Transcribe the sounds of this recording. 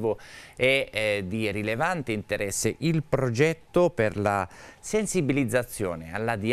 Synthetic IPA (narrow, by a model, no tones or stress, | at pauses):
voɛd̪irilevant̪eint̪eɾɛsːɪʔilpɾod͡ʒɛt̪ːoperla̰sensibilid̪zːat̪sːjɔːnea̰lːad̪i